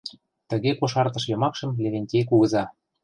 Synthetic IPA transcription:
t̪ə̆ɣekoʃɑrt̪ɤ̆ʃjɤ̆mɑkʃə̆mlʲeβʲenʲtʲejkuɣɤ̆zɑ

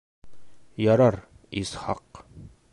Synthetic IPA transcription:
jɒɾɑɾ | izχɑ̰q

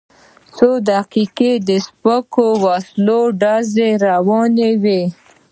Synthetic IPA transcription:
sod̪aqiqed̪əspəkowɑsloɖɑzeɾawɑnewe

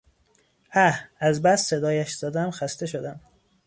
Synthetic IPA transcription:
ʔæhæzbæsse̞d̪ɒːjæʃz̥æd̪æmxæst̪eʃod̪æm

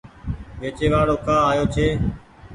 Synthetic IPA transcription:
ʋeːt͡ʃeːʋaːɽoːkʰãːaːjoːt͡ʃʰeː

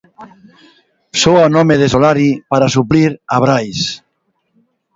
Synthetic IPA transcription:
soanɔmeðesolaɾipaɾasupliɾaβ̞ɾajs

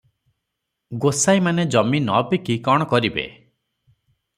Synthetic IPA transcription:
ɡosajmaned͡ʒɔminɔbikikɔɽ̃ɔkɔɾibḛ

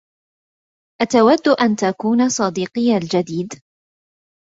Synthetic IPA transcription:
ʔat̪awad̪ːʊʔant̪akuːnasˤɑd̪iːqɨjːald͡ʒad̪iːd̪

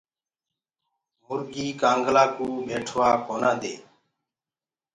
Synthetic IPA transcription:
mʊɾɡiːkãːŋɡlaːkuːbʱeːʈʰʋaːkoːnaːd̪ḛː

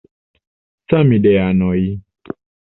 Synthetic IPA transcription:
t͡samiɗɛjanɔi

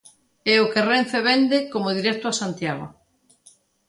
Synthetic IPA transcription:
eʊkerenθeβend̪ɪkomʊðiɾɛk̚t̪ʊasant̪jaɣ̞o̰

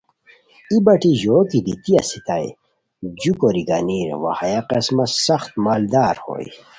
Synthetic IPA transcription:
ibɐʈiʑoːkid̪it̪iɐ̰sit̪aj | d͡ʑukoɾiɡɐniɾwa̰hajaqesmɐsɐxt̪̚maːld̪aːɾho̰ːj

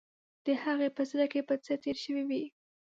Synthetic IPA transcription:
d̪̥əhaɣepəzɾakepət͡sət̪eɾʃəwiwi

